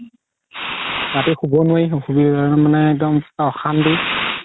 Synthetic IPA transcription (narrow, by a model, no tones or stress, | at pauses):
ɹatixubɔnuajxubimanɛɛk̚dɔmaɔxandi